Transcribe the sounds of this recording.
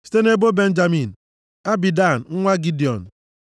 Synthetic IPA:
si̥˨˦te˦ne˦bo˦be˦n̩˦d͡ʒa˨mi˨n˨ | a˦bi˨da˦˨n˨ŋ̩˦ŋʷa˦ɡi˦di˨ɔ˨n˨

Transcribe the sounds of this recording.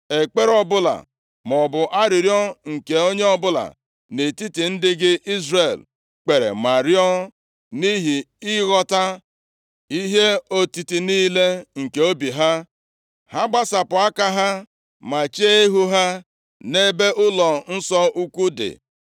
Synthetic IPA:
e˨k͡pe˦ɾɔ˦bʊ˦la̰˨ | m˨ɔ˨bʊ˨ʔa˦ɾɪ˨ɾjɔ˦ŋ̩˨ke˨o˦ɲe˦ɔ˦bʊ˦la̰˨ | ne˨ti˦ti˨n̩˦dɪ˦ɡɪ˦ʔi˦zre˨l | k͡pe˨ɾḛ˨ma˨ɾjɔ˦ | ni˦ɦi˨ | i˦ɣɔ˦ta˦ | i˦ɦe˦o˦ti˨ti˨niː˦le˦ŋ̩˨ke˨o˦bi˨ɦa˦ | ha˦ɡ͡ba˦sa˨pʊ˨a˦ka˦ɦa˦ | ma˨t͡ʃe˦e˦ɦu˦ɦa˦ | ne˦be˦ʔʊ˦lɔ˨n̩˦sɔ˦ʔu˦ku˦dɪ̰˨

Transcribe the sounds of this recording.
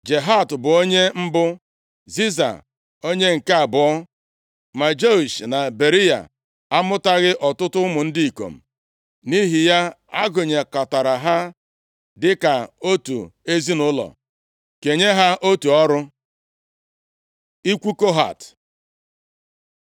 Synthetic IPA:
d͡ʒe˨ɦa˦˨tbʊ˨o˦ɲe˦m̩˦bʊ˦ | zi˦za̰˨ | o˦ɲe˦ŋ̩˨ka˨bʊ˨ɔ˦ | ma˨d͡ʒe˦u˨ʃna˨be˨ɾi˦ja̰˨ | a˦mʊ˦ta˦ɣɪ˦ʔɔ˨tʊ˦tʊ˦mʊ˨n̩˦di˦i˨ko̰˨m̩˨ | ni˦ɦi˨ja˦a˦ɡʊ˨ɲe˨ka˨ta˨ɾa˨ɦa˦ | dɪ˦ka˨o˦tṵ˨e˦zi˦nʊ˦lɔ̰˨ | ke˨ɲe˦ɦa˦ʔo˦tu˨ɔ˦ɾʊ˦ | i˦kʷu˦ko˦ɦa̰˨t

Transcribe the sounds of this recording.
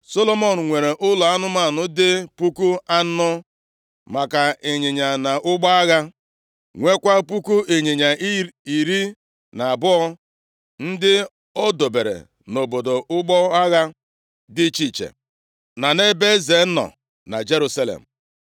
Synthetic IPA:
so˦lo˦mɔ˦n̩˨ŋʷe˨ɾe˨ʔʊ˦lɔ˨a˦nʊ˦ma˨nʊ˦dɪ˦pu˦ku˦a˦ʊ˦ | ma˨ka˨e˨ɲe˨ɲa˨na˨ʔʊ˦ɡ͡ba˦a˦ɣa˦ | ŋʷe˦kʷa˦pu˦ku˦e˨ɲe˨ɲa˨i˨ɾi˦ | na˨a˨bʊ˦ɔ˦ | n̩˦dɪ˦ | ɔ˦do˨be˨ɾḛ˨ | no˨bo˨do˨ʔʊ˦ɡ͡bɔ˦a˦ɣa˦ | dɪ˦t͡ʃi˦t͡ʃḛ˨ | na˨ne˦be˦ze˨˦nɔ̰˨ | na̰˨d͡ʒe˦ɾu˦sa˦lḛ˨m̩˨

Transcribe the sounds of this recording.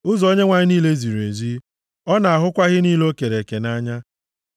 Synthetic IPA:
ʊ˦zo˦ɲe˦ŋʷa˨ɲɪ˦ni˦le˦zi˨ɾe˨zi˦ | ɔ˦na˨a˨ɦʊ˦kʷa˦ɣɪ˦niː˦lo˦ke˨ɾe˨ke˨na˦ɲa˦

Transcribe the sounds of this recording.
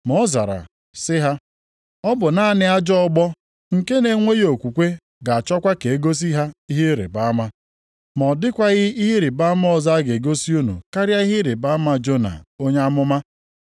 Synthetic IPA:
mɔ˨˦za̰˨ɾa̰˨ | sɪ˦ɦa˦ | ɔ˦bʊ˨na˨˦˨nɪ˦a˦d͡ʒɔ˦ɡ͡bɔ˦ | ŋ̩˨ke˦ne˨ŋʷe˦ɣo˨kʷu˨kʷe˦ | ɡa˨a˨t͡ʃɔ˦kʷa˦ke˨e˦ɡo˦s̬i˦ɦa˦i˦ɦɪ˦ɾḛ˨ba˦ma˦ | mɔ˨dɪ˦kʷa˦ɣɪ˦i˦ɦɪ˦ɾɪ˨ba˦a˦m˦ɔ˦˨za˦ɡe˨ɡo˦si˦u˦nṵ˨ka˦ɾja˦i˦ɦɪ˦ɾɪ˨ba˦a˦ma˦d͡ʒo˦na̰˨o˦ɲa˦mʊ˦ma˦

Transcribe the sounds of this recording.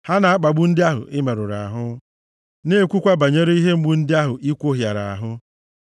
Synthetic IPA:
ha˦na˨a˦k͡pa˨ɡ͡bu˦n̩˦dɪ˦a˦ɦʊ̰˨ʔɪ˦me˨ɾʊ˨ɾa˨a˨ɦʊ˦ | ne˦e˨kʷu˦kʷa˦ba˨ɲe˦ɾe˦i˦ɦe˦ŋ͡m̩˦ɡ͡bu˦n̩˦dɪ˦a˦ɦʊ˨ʔi˦kʷo˦ɦja˨ɾa˨a̰˨ɦʊ˦

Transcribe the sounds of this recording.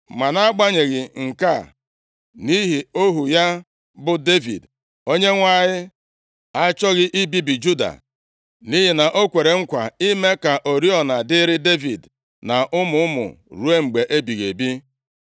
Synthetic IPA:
ma˨na˦ɡ͡ba˦ɲe˨ɣɪ˨ŋ̩˨ka˦˨ | ni˦ɦi˨o˦ɦu˨ja˦ | bʊ˦de˦vḭ˨d | o˦ɲe˦ŋʷa˦˨ɲɪ˦ | a˦t͡ʃɔ˦ɣɪ˦ʔi˦bi˦bi˨d͡ʒu˦da̰˨ | ni˦ɦi˨na˨ʔo˦kʷe˨ɾe˨ŋ̩˦kʷa˨i˦me˦ka˨ʔo˨ɾi˦ɔ˨na˨dɪ˦ɾɪ˦de˦vḭ˨d | na˨ʔʊ˦mʊ˨˦ʊ˦mʊ̰˨ɾu˦e˦ŋ͡m̩˨ɡ͡be˨ʔe˦bi˨ɣe˨bi˦

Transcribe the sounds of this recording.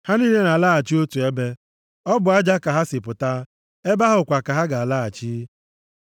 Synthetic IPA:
ha˦ni˦le˦na˨laː˦a˨t͡ʃi˦o˦tu˨e˦be˦ | ɔ˦bʊ˨a˦d͡ʒa˦ka˨ɦa˦sɪ˨pʊ˨ta˦ | e˦ba˦ɦʊ˨kʷa˨ka˨ɦa˦ɡa˨a˨la˦a˨t͡ʃi˦

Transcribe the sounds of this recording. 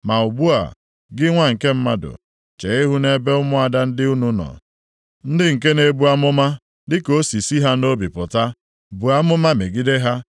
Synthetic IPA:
ma˨ʊ˨bu˦a̰˨ | ɡɪ˦ŋʷa˦ŋ̩˨ke˦m̩˦ma˦dʊ̰˨ | t͡ʃe˨ɪ˦ɦu˦ne˦be˦ʊ˦mʊ˦a˨da˦n̩˦dɪ˦u˦nu˦nɔ̰˨ | n̩˦dɪ˦ŋ̩˨k̬e˦ne˨bu˦a˦mʊ˦ma˦ | dɪ˦ko˦si˨si˦ɦa˦no˦bi˨pʊ˨ta˦ | bu˨a˦mʊ˦ma˦me˨ɡi˦de˦ɦa˦

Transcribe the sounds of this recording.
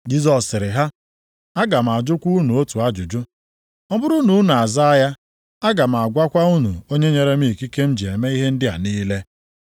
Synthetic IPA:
d͡ʒi˦zɔ˨sɪ˨ɾɪ˨ɦa˦ | a˦ɡa˨m̩˨a˨d͡ʒʊ˦kʷu˦u˦nu˨o˦tu˨a˦d͡ʒʊ˨d͡ʒʊ˦ | ɔ˦bʊ˦ɾu˦nu˨˦na˨a˨za˦ja˦ | a˦ɡa˨m̩˨a˨ɡʷa˦kʷa˦u˦nu˨o˦ɲe˦ɲe˨ɾe˦m˦i˦˨ki˦ke˦m̩˦d͡ʒi˨e˨me˦i˦ɦe˦n̩˦dɪ˦a̰˨niː˦le˦

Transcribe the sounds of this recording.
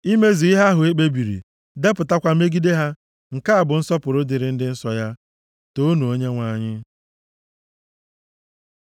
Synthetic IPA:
i˦me˦zi˨i˦ɦa˦ɦʊ˨e˦k͡pe˦bi˨ɾḭ˨ | de˦pʊ˨ta˦kʷa˨me˦ɡi˦de˦ɦa˦ | ŋ̩˨ka˦a˨bʊ˨n̩˦sɔ˦pʊ˨ɾʊ˦dɪ˨ɾɪ˨˦n̩˦dɪ˦n̩˦sɔ˨ja˦ | to˦nu˨o˦ɲe˦ŋʷa˨ɲɪ˦

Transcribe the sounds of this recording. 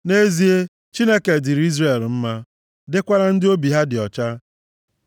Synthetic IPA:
ne˦zi˦e˦ | t͡ʃi˦ne˦ke˨dɪ˨ɾi˦zre˨lm̩˦ma˦ | dɪ˦kʷa˦ɾa˦n̩˦dɪ˦o˦bi˨ɦa˦dɪ˨ɔ˨t͡ʃa˦

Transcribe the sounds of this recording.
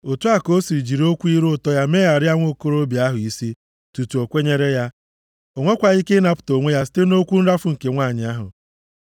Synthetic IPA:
o˨tu˦a˦ko˦si˨d͡ʒi˨ɾo˦kʷu˦i˦ɾʊ˦˨tɔ˦ja˦me˦a˨ɾɪ˦a˦ŋʷo˦˨ko˦ɾo˦bja˦ɦʊ˨i˨si˦ | tu˨tu˨o˨kʷe˦ɲe˦ɾe˦ja˦ | o˨ŋʷe˦kʷa˨i˦kɪ˦na˨pʊ̥˨to˨ŋʷe˦ja˦si̥˦te˦no˦kʷu˦n̩˦ɾa˦fʊ˦ŋ̩˨ke˨ŋʷaː˦˨ɲɪ˨a˦ɦʊ̰˨

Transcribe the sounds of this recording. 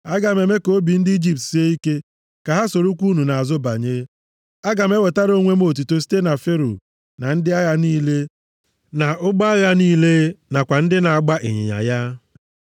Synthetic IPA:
a˦ɡa˨me˨me˦ko˦bi˨n̩˦dɪ˦i˦d͡ʒi˦p̚tsi˦e˦i˦ke˦ | ka˨ɦa˦so˨ɾu˦kʷu˦nu˨na˨a˨zʊ˦ba˨ɲe˦ | a˦ɡa˨m˦e˦we˨ta˦ɾo˦ŋʷe˦m˦o˨t̬u˨to˨s̬i̥˦te˦na˨fe˦ɾo̰˨ | na˨n̩˦dɪ˦a˦ja˦niː˦le˦ | na˨ʊ˦ɡ͡ba˦ja˦niː˦le˦na˨kʷa˨n̩˦dɪ˦na˨a˨ɡ͡ba˦ʔḭ˨ɲɪ̰˨ɲa̰˨ja˦

